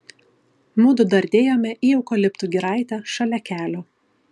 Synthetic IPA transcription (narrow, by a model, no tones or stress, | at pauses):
mʊd̪ʊd̪ɐɾʲd̪ʲeːjoːmʲɛʔiɛʊkɔlʲɪpt̪uːɡʲɪɾɑˑɪt̪ʲɛʃɐlʲɛkʲæːlʲo